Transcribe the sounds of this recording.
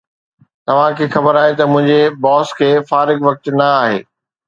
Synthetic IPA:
t̪ɐʋ̤ãkʰeːxɐbəɾaːɦet̪ɐmʊ̃ɦɪ̃ɲd͡ʑebɔːskʰeːfaːɾɪɡʋɐk̚t̪nɐaːɦḛː

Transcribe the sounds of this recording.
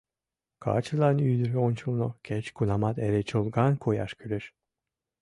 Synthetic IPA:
kʰa̰ːt͡ʃɯlˠanyːd̪yɾonʲt͡ʃʰulnokʰʲɛt͡ʃkunamat̪eɾɛt͡ʃʰɯlˠɡankʰoja̰ʃkʲʰylyɾ

